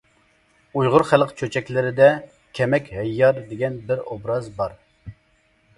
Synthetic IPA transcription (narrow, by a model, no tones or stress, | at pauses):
ujʁʊɾχælˠqt͡ʃʰøt͡ʃʰɛkʲlɪɾɪd̪ɛ | kʲʰɛmɛkʲhɛjːɑɾd̪eɡʲɛnbɪɾobɾɑzbɑɾ